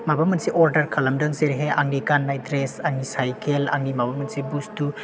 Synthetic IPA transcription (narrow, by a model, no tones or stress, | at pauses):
mabamɐnsiʔɔɾdɐɾkʰɐlɐmdɯŋseɾɦeʔaŋnikanːajdɾesaŋnisajkʰela̰ŋnimabamɐnsibustu